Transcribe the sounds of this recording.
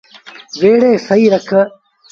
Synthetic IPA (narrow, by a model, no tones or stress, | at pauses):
ʋeːɽeːsɐiːɾɐkʰə